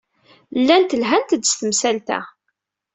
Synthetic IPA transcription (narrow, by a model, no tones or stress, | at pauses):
lːænt̪əlɦænt̪d̪st̪əmsælt̪æ̰